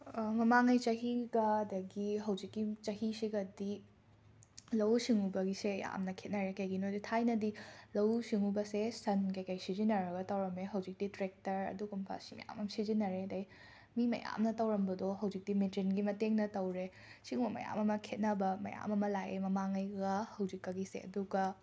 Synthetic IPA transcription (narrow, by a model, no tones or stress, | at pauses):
mɐmaŋɐjt͡ʃɐɦiɡɐdɐɡiɦɐwd͡ʒikːit͡ʃɐɦisiɡɐdi | lɐwsiŋubɐɡiseja̰mnɐkʰet̚nɐɾekɐjɡinojditʰajnɐdilɐwsiŋubɐsesɐnkɐjkɐjsizinɐɾɐɡɐtɐwɾɐmeɦɐwd͡ʒik̚d̥itɾek̚tɐɾɐ̰duɡumpʰa̰simɐ̰ja̰mɐmsizinɐɾedɐj | mimɐ̰ja̰mnɐtɐwɾɐmbɐdɔɦɐwd͡ʒik̚dimitɾinɡimɐteŋnɐtɐwɾe | siŋubɐmɐ̰ja̰mɐmɐkʰet̚nɐbɐmɐ̰ja̰mɐmɐlajemɐmaŋɐjɡɐhɐwd͡ʒikːɐɡisḛɐ̰duɡɐ